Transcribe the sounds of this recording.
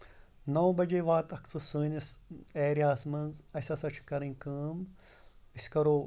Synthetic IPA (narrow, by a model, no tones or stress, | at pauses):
nɐwbɐd͡ʒeʋaːt̪ɐkt͡sɨsuːniseːɾiaːsmɐnzɐsʲɐsɐt͡ʃʰkɐɾĩnʲkəːm | isʲkɐɾoː